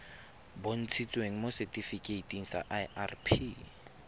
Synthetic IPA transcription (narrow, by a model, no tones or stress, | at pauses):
bon̩t͡sʰit͡sʼweŋ̩mosɛtʼifikʼeitʼiŋ̩sa̰ʔaa̰rpʰi